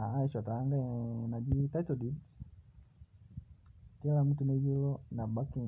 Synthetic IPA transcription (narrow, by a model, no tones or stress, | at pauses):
aaɛʃataaŋɡanad͡ʒitaitɔdibs | kilam̩tunɛd͡ʒilɔnaɓaki